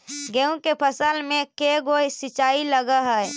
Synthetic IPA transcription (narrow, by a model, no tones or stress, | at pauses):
ɡɛũkepʰəsəlmẽkeɡosɪt͡ʃaːiləɡaɦɛɛ